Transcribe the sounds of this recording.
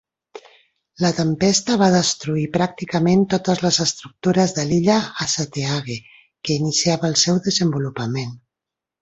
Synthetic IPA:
lət̪əmpɛst̪əβ̞aðəst̪ɾuipɾak̚t̪ikəment̪ot̪əzləzəst̪ɾuk̚t̪uɾəzðəliʎəːsət̪eaɣe | kəinisiaβəːlˠsɛwðəzəmbulupəmen

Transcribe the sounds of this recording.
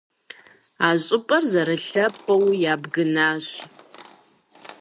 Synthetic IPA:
aːɕʼɪpʼɐrzɐɾɨɬɐpʰʼɐwjaːbɡɨnaːɕ

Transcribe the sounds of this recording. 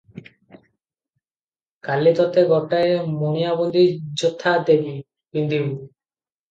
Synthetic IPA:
kalit̪ɔt̪eɡɔʈaemonijabond̪ʱid͡ʒot̪ʰːad̪ebi | bind̪ʱibu

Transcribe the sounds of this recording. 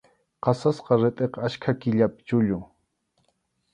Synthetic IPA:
qɑsasqɑɾɪt̪ʼeqaʃkʰakɪʎapɪ̥t͡ʃʊʎʊŋ

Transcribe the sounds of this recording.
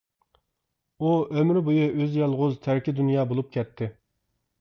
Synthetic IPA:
uømɾbojuʔøzjɑlˠʁʊzt̪ʰæɾkʲɪd̪unjɑːbolˠup̚kʲɛt̪ʰːɪ

